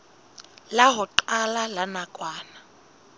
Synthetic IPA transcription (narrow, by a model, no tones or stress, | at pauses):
laɦʊǃalalanakʼwaːna